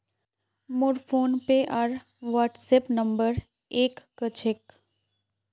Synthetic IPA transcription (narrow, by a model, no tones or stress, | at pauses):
mʊɾpʰoːnpeʔaːɾ | ʋaːʈseːpnə̃mbəɾ | eːkːət͡ʃʰɪk